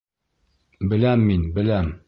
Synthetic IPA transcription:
bɘ̆læmːinbɘ̆læm

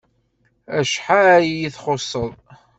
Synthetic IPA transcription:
æʃħajijiθχosˤːəðˤ

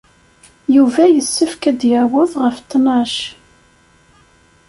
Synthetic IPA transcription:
juvæjəsːəfkæd̪jæwəðˤʁəft̪ːnɑʃ

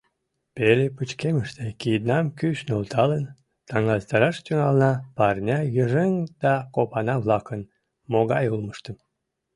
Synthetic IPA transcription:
pelepət͡ɕkeməʃt̪ekid̪nɑmkyʃnolt̪ʰɑlən | t̪ɑŋɑzt̪ɑɾɑʃt̪yŋɑlnɑpɑrnʲɑjəʒeŋd̪̥ɑkopɑnɑβlɑkən | moɣɑjulməʃt̪əm

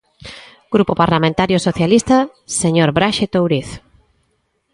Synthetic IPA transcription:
ɡ̥ɾupopaɾlamẽnt̪aɾjosoθjalist̪a | seɲoɾbɾaʃet̪owɾiθ

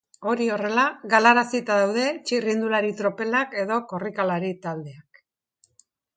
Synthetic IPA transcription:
o̞ɾio̞re̞laɣalaɾasit̪aðawðe̞t͡ʃirind̪ulaɾit̪ɾo̞pe̞lake̞ðo̞ko̞rikalaɾit̪ald̪e̞ak

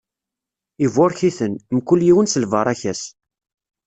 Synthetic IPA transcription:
ivʊɾçiθənmkʊljiwənsəlvɑɾˤæçæs

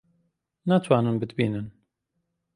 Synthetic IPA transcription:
nat̪ʰwaːnɨnbɨd̪biːnɨn

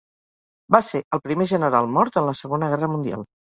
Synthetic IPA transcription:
baseəlˠpɾimeʒənəɾalˠmɔɾt̪ənləsəɣonəɣɛrəmund̪ia̰lˠ

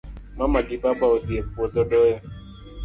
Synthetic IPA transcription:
mamaɡibabaodiepuɔdɔdɔja

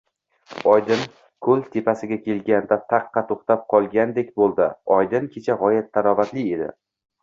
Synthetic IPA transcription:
ɒjd̪ɪn | kʰɵlt̪ʰe̞pasɪɡʲakʲe̞lɡʲand̪at̪ʰɑqʰːɑt̪ʰoχt̪ap̚qʰɒlˠɡʲand̪e̞kʲbolˠd̪ɪ̰ɒjd̪ɪnkʲʰe̞t͡ʃʰaʁɒjat̪ʰːaɾɒvat̪lɪe̞d̪ɪ̰

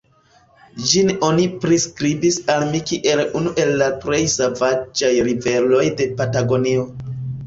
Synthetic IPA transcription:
d͡ʒino̞nipɾiskɾibisalmikiʔe̞lunuʔe̞lːapɾe̞jsavad͡ʒajɾive̞lo̞jde̞pataɡo̞nio̞

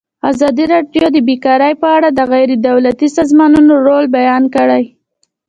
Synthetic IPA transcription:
azɑd̪iɾɑɖjod̪əbekɑɾəjpəaɽad̪əɣajɾed̪awlat̪isɑzmɑnunoɾolbajɑnkəɽəj

